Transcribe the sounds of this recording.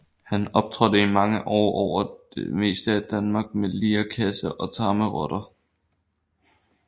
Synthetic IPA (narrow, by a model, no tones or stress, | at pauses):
hænɒ̽b̥̚t͡sʰʁɔdəimɑ̈ŋəʔɒ̰ːʔɒʊ̰ɐd̥e̝me̝̰ːsd̥əæd̥ænmɑ̈ːɡ̥meliːɐkʰæsəʔɒ̽t͡sʰɑ̈ːməʁɔɾ̥ɐ